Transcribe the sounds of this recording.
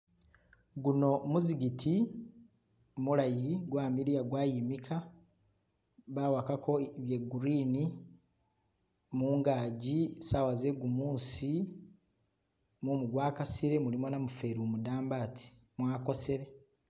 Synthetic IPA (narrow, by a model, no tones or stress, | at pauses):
ɡuno̞muziɡitʰi | muɾajiɡwaːmiɾijaɡwaːjimikʰa | βaːwakakʰo̞βje̞ɡuɾiːni | muːŋɡaːɟisawaze̞ɡumuːnsi | mumuɡwaːkasiɾe̞mulimo̞namufe̞ɾiomudaːmbaːtʰi̥ | mwaːko̞se̞ɾe̞